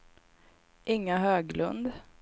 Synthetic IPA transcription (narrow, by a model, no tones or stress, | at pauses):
ʔɪŋːaɦøːɡlɵ̰nd̪